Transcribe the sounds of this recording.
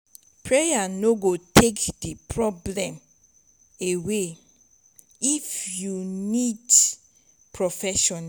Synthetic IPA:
pɹejanoɡotʰekdipʰɹɔblɛ̃m | ewe | ifjunid | pʰɹɔfɛʃɔna

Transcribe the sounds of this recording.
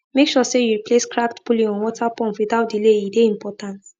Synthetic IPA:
mekʃɔsejuɹipʰleskɹaktbulĩɔ̃nwɔtʰapɔ̃ntwiðaʊt̚dileideĩmpʰɔtãnt

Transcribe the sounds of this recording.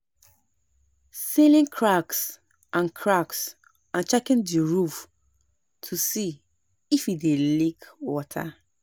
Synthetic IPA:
silĩnkʰɹaks | ʔãnkʰɹaks | ãnt͡ʃɛkĩndiɹuf | tʰusi | ifidelikwɔtʰa̰

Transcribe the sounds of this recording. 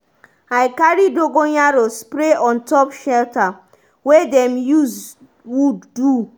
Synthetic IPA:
aɪkaɹidoɡoɲaɾospɾeɔ̃ntɔpʃɛlta | wedɛmjuz | wudːu

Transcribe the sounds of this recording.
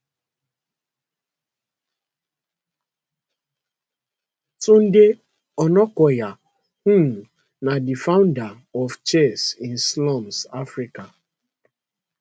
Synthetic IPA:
tun̩de | ɔnɔkɔja | hũ | nadifaʊ̃nda | ɔft͡ʃɛsĩn̩slɔmsafɾika

